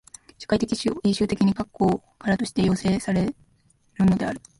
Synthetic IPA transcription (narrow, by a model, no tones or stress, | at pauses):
ɕḁkait̪̬e̞kʲiɕiɕɨːt̪e̞kʲiɲ̟ikakːo̞ː | kaɾat̪o̞ɕi̥t̪e̞jo̞ːse̞ːsaɾe̞ | ɾɯ̟no̞d̪e̞aɾɯ̟